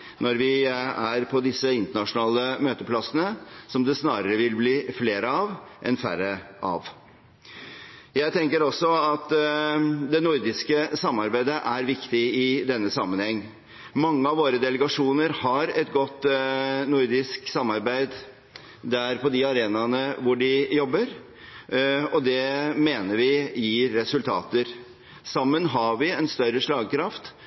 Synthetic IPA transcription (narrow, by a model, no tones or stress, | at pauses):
nɔɾʋɪæɾpʰɔd̪ɪsːəɪnt̪əɳɑʂʊnɑːləmøːt̪əpʰlɑsənəsɔmd̪ɛsnɑːɾəɾəʋɪlbliːfleːɾəɑʋʔɛnfæ̰ɾəʔɑ̰ʋ | jæɪt̪ʰɛŋkəɾɔsːɔɑt̪ | d̪ɛnʊɾd̪ɪskəsɑmːɑɾbæɪd̪əʔæɾʋɪkt̪ɪɪd̪ɛnːəsɑmːənhɛŋː | mɑŋːəɑʋoːɾəd̪ɛləɡɑʂuːnəɾhɑɾɛt̪ɡɔt̪ːnʊɾd̪ɪsksɑmːɑɾbæɪd̪ | d̪æɾpɔd̪ɪɑɾeːnɑnəʋʊɖɪjɔbːəɾ | ɔd̪ɛmeːnəɾʋɪjiːɾːɛsʉlt̪ʰɑ̰ːt̪əɾ | sɑmːənɦɑʋɪɛnst̪œɾːəʂɭɑːɡkʰɾɑft̪